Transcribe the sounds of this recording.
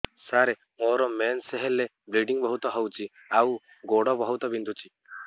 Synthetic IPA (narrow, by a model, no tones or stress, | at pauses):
saɾe | moɾɔmenseɦele | bliɖiŋbɔɦut̪ɔɦɔwt͡ʃʰi | aw | ɡoɽɔbɔɦut̪ɔbind̪ʱut͡ʃʰi